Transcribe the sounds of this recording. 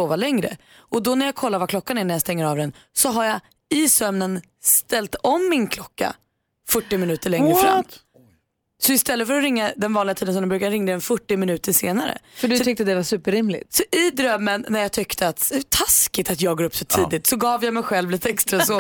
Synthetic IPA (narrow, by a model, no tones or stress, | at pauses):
oːvalɛŋɾə̰ | ɔd̪ɔnæɾjakʰɔlːaɾvakʰlɔkːanæɳæɾjast̪ɛŋːəɾɑvd̪ɛn | sɔɦaɾja | ɪsœmnən | st̪ɛlt̪ɔmːɪnkʰlɔkːa̰ | fɵʈːɪmɪnʉ̟ːt̪əɭɛŋɾəfɾa̰mː | sɔɪst̪ɛlːətfœɾɔɾɪŋːad̪ɛnvɑːnlɪɡat̪ʰiːd̪ənsɔmɛmbɾʉ̟kad̪əɾɪŋːaɾɛnfœʈːɪmɪnʉ̟ːt̪əʂeːnaɾə̰fœdɵt̪ʰʏk̚t̪əd̪ɛvasʉ̟ːpəɾɪmlɪ̰t̪sɔʔɪd̪ɾœmːənːæjɑt̪ʰʏkt̪ʰəat̪t̪ʰaskɪt̪at̪jɑːɡoːɾɵpːsɔt̪ʰiːd̪ɪt̪sɔɡɑːvjamɛjɧɛlvliːt̪əɛkst̪ɾasoː